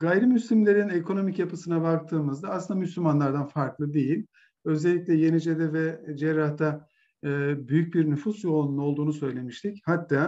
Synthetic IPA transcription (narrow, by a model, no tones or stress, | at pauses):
ɡ̥ajɾimyslʲimlʲe̞ɾine̞kʰo̞no̞micjapɯsɯnabak̚t̪ʰɯːmɯzd̪aːslɯnd̪amyslʲymanlˠaɾd̪anfaɾklˠɯd̪ejilʲ | ø̞zɛlʲːicʲlʲɛje̞nid͡ʒed̪ɛvɛd͡ʒɛɾːaht̪ʰaː | byjyc̚biɾnyfusjo̞unːˠo̞lˠd̪uːnusø̞jlʲe̞miʃt̪ʰichat̪ʰːaː